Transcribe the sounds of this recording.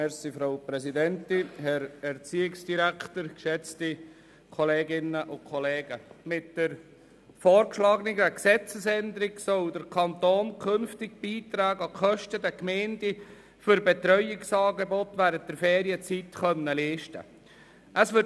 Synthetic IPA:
mɛsifɾaʊpɾɛsidɛntɪɦɛɾɛɾt͡siːɪksd̥iɾæktəɾkʃɛt͡sti | kʰɔleːɡɪnːəʔʊkʰɔleːɡəmɪtd̥əɾ | fɔːɾkʃlɑːɡəniɡæksɛt͡səsɛndəɾɪɡsɔldəɾkʰɑnt̪oːnkʰønftɪɡ̚b̥iːt̪ɾæːɡɑkʰœʃtədɛkmɛɪndi | fʏɾbɛt̪ɾœʏɪksɑːɡebɔtʋæːɾənt̚d̥ɛɾfɛːɾiət͡sitχœnːəliːʃtə̰ | ʔəsʋʏ

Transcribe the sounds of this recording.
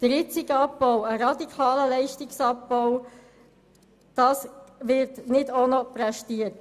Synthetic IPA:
d̪̥əɾjɪt͡sɪɡəɑp̚bɔwəɾɑd̪ikʰɑːləlɛɪʃtɪksɑpbɔw | d̥ɑːsʋɪɾtnɪdonɔpɾɛʃtiət

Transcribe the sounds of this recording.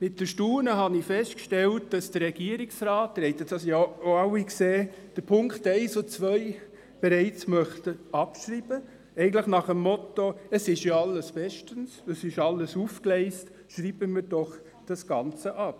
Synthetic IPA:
mɪt̚d̥əʃtuːnəɦɑnɪfɛstkʃtɛlt̚d̥ɑsd̥əɾrɛɡ̥iəɾiksrɑːt̚dəɾhɛɪt̪ə̥ɑsjaoɑwikseː | d̥əɾpʰʊŋktɛɪsot͡sʋœʏ | b̥ɛɾɛɪt͡smœχtəɑpʃrib̥ə | ɛɪɡən̩tləχnɑχəmːɔtoəsɪʃjoɑlːəsb̥ɛʃtənsəsɪʃɑlːəsuːfklɛɪst | ʃɾib̥əmɪɾd̥ɔχ | d̥ɑsɡ̥ɑnt͡səʔɑp̚

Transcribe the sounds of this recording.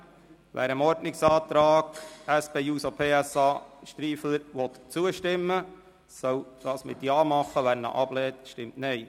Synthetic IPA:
ʋʔæ̰ːɾəmɔɾdnɪksɑːt̪ɾɑːɡæspeːuːsopʰeːæsɑːʃt̪ɾiːfl̩əɾʋɔt̪t͡suəʃtɪmːə | sœwd̥ɑːsmɪ̰t̪jɑːmɑχːəʋæːnə̰ʔɑb̥lɛːt̪ʃtɪmtnɛɪ

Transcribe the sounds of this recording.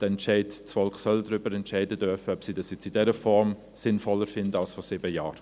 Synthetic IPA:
d̥əɛntʃɛɪtt͡sfɔlkχsœldʁʏbəɾɛntʃɛɪdədøɾfəœpsiːdɑsjɛt͡sidɛɾəfɔɾm | sɪnfɔləɾfɪndəalsfɔsɪːbəjaːɾ

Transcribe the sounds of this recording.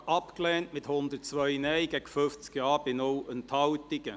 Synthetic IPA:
ʔɑpklɛːntmɪt̪hʊnd̪ət̚t͡sʋœɪnɛɪɡ̥ɛɡ̥əføft͡skjɑːb̥ɪnowənt̪ʰɑwt̪ɪɡə

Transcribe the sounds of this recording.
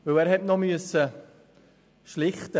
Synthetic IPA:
vɵlɛːɾɦɛtnɔmyəsə | ʃlɪχtə

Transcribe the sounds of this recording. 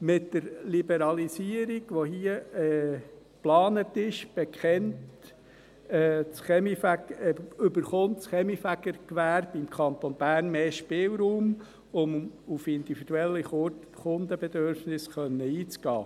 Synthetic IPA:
mɪtdəɾlibɛɾɑlisiəɾiɡ̥ʋoɦiəɛː | plɑːnətɪʃb̥ɛkχɛnt | ɛt͡sχɛmifæɡʏbəɾχʊntt͡sχɛmifæɡəɾkʋæːɾb̥ɪmkʰɑnt̪ɔnb̥æːɾnmeːʃpɪːlɾuːm | ʊmufɪnd̥̪ifid̥uɛlːiχ | χʊnd̪əbɛd̪øɾfnɪsχœnːəiːt͡sɡ̥ɑ̰ː

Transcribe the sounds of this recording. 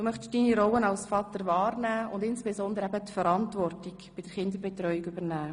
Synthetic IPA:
d̥uːmœχtʃd̥iːniɾɔlənɑlsfɑt̪əɾvɑːɾnæːʊndɪnsb̥ezɔnd̪əɾəɛbət̪fəɾɑntvɔrtɪkbɪd̥əɾχɪnd̪əbetrœʏikybəɾnæː

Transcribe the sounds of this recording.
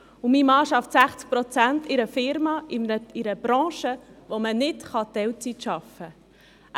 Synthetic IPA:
ʊmiːmɑːʃɑftsæχt͡sk̚pɾɔt͡sæntɪɾəfɪɾmɑɪɪɾəb̥ɾɑ̃ːʃəʋomənɪtχɑt̪ɛwt͡sitʃɑfə

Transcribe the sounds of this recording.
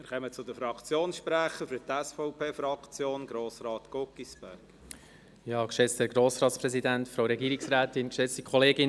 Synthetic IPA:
mɪɾχɛmət͡sʊd̥̪əfɾɑkt͡sjoːnsʃpɾæχəfyɾtɛsfɔʊpʰeːfɾɑkt͡sjoːnɡ̥ɾoːsɾɑːt̪kokːisb̥ɛɾɡ̥ | jɑkʃɛt͡stɛːɾɡɾoːsɾɑːtspɾɛzidæntfɾowɾɛɡiːɾɪksræːtɪnkʃɛt͡stikχɔleːɡɪn

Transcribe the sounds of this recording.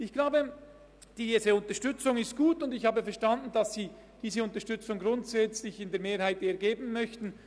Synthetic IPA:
ɪçɡ̥laʊbə | d̥iːzəʊntəɐʃtʏt͡sʊŋɪstɡ̥uːtʊndɪçhaːbəfɛɐʃtandn̩dɑsz̥iː | d̥iːzəʊntəɐʃtʏt͡sʊŋɡʁʊntsɛt͡slɪçɪndeːɐmeːɾhaɪteːɐɡeːbn̩mœçtn̩

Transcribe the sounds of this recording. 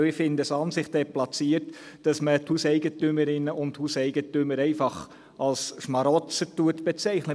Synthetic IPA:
ɪfɪndəsɑnsɪχtəɛt̚plɑt͡siːəɾt | d̥ɑsməthuːsɛɪɡətʏməɾɪnəʔʊnthuːsɛɪɡ̥ətʏməɾɛɪfɑχ | ʔɑlsʃmɑɾɔt͡sətuətb̥ɛt͡sɛɪχnə

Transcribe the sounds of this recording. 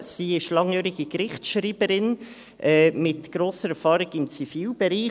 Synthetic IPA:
siːɪʃlɑŋjœːɾɪɡ̥ikɾɪχtʃɾiːbəɾɪn | ʔɛːmɪtɡ̥ɾoːsəɾɛɾfɑːɾɪɡɪmt͡sifiːlb̥ɛɾiː

